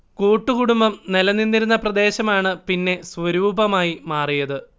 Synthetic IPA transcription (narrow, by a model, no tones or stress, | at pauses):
kuːʈːukuɽumbɐmnelɐninːiɾunːɐprɐd̪e̞ːɕɐmaːɳɨpinːe̞sʋɐɾuːbɐmaːjimaːrijɐðɨ